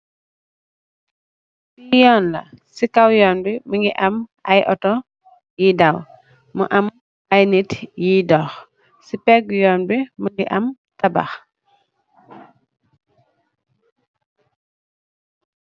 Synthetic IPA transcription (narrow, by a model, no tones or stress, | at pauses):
sijɔːnlɐ̰sikawjɔːnbiməŋɡiʔɐmʔɐjʔɔ̰tɔ | jidaw | muʔam | ajnitjidɔːx | sipɛɡ̚jɔːnbimuŋɡiʔɐm | tɐba̰x